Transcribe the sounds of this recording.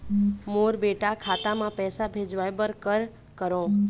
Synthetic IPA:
moɾbeʈakʰat̪amãpɛsabʱed͡ʒʋajbəɾkəɾ | kəɾõ

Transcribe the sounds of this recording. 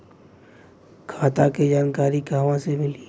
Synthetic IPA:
kʰaːt̪aked͡ʒaːnkaːɾiɡʱaːʋãsemɪliː

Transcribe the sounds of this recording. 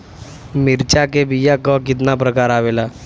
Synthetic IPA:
miɾt͡ʃakebijakɔkit̪nap̬ɾəkaɾaʋela

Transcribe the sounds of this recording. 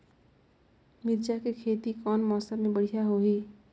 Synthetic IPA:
miɾd͡ʒakekʰet̪ikɔnmɔsəbmebəɽ̤ijaɦoɦi

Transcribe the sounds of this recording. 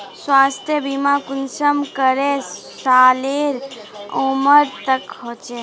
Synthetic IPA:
sʋast̪ʰjəbimãkʊnʃəmkəɾe | ʃaːleɾ | oməɾt̪əkɦot͡ʃe

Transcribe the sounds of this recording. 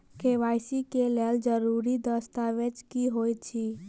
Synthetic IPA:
keʋajsikeleld͡ʒəɾuɾid̪əst̪aʋet͡ʃkiɦojt͡ʃʰi

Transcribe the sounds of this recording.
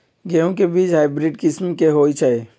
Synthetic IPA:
ɡeõkebiːt͡ʃɦaːɪbɾɪɖkɪsmkeɦoːit͡ʃʰae

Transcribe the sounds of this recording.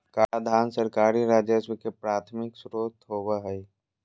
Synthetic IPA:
kaːad̪ʱaːnsəɾkaːɾiɾaːd͡ʒəswəkepɾaːt̪ʰmɪksɾoːt̪ɦoːwaɦɛj

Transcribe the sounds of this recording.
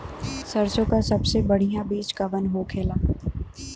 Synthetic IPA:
sɐɾsõkasɐbsebɐɽ̤ijãbiːt͡ʃkɐʋənɦoːkʰeːlaː

